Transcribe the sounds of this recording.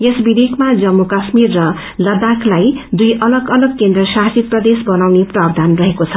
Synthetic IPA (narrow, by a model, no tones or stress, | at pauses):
esbid̪ekmad͡zʌmːukasmirːʌ | lʌd̪aklajd̪ujʔʌlʌɡʌlʌɡ̚kend̪rʌsaɦsit̪̚prʌd̪esbʌnawneprabd̪ʱanrʌɦekot͡sʰʌ̥